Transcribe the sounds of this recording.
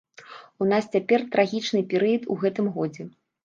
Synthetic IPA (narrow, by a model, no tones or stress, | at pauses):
un̪ast͡sʲapʲɛrt̪ɾaɣʲit͡ʂnɨpʲɛɾɨjɐt̪uɣɛt̪ɨmɣɔd͡zʲɛ